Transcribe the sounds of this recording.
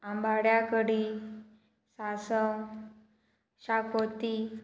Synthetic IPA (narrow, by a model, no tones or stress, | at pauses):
ambʱaɽjakəɽi | sasəŋ | ɕakʰot̪i